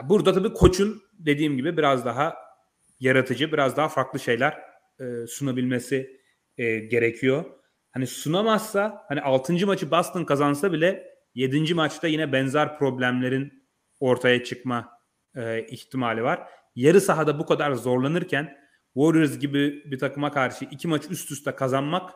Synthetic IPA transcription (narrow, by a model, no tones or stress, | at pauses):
buɾd̪at̪ʰabiːkʰo̞t͡ʃʰun | d̪e̞d̪iːmɟibibiɾazd̪aɦa | jaɾat̪ʰɯd͡ʒɯbiɾazd̪aɦafaɾklˠɯʃe̞jlʲæɾ̥ | ɯːsunabilʲme̞si | ɟe̞ɾecʰijo | hanisunamasːahaniʔalˠt̪ʰɯnd͡ʒɯmat͡ʃʰɯbast̪ɯnkazansabilʲɛ | je̞d̪ind͡ʒimat͡ʃt̪ʰajinɛbɛnzaɾpɾo̞blʲæmlʲe̞ɾin | o̞ɾt̪ʰajat͡ʃʰɯkma | ɯiçt̪ʰimalʲivaɾ̥ | jaɾɯsaɦad̪abukad̪aɾzo̞ɾlˠanɯɾcʰæn | voɾuɾzɟibibit̪ʰakɯmakʰaɾʃɯʔicʰimat͡ʃyst̪ʰyst̪ʰɛkʰazanmak